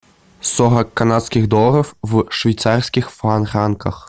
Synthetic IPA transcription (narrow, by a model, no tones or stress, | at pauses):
sɔɦɐkːanat̪skʲiɣd̪ɔlˠɐɾɐwwʂvʲijt̪sarsʲkʲixfanɾankɐx